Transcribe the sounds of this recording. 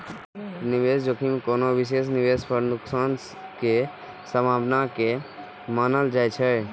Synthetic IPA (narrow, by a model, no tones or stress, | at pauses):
nɪʋeːsd͡ʒoːkʰimkoːnoʋɪʃ̬eːs̬nɪʋeːspəɾnʊksaːns | ke | səmaːbnake | maːnəld͡ʒaːjt͡ʃʰɛ